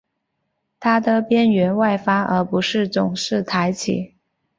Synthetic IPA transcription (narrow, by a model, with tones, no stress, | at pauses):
t̪ʰa˥d̪ə˨pjɛ˥nɥɛ˧˥nwa˥˩ɪfa˥ə̰˞˧˥pu˧˥ʂɻ̩˥˩t͡sʊ˨˩ŋʂɻ̩˥˩t̪ʰa˧˥ɪt͡ɕʰḭ˨˩˦